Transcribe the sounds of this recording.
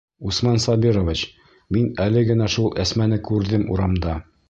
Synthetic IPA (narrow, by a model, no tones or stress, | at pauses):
usmɑnsɑbiɾovit͡ɕ | minælɘɡɘ̆næʃulˠæsmænɘkʉɾðɘmṵɾɑmd̪ɑ